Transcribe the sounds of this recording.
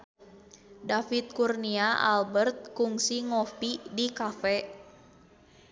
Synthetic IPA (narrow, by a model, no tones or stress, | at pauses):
dafit̪̚kurniaʔa̰lbərt̪̚kuŋsiŋɔfidikafɛ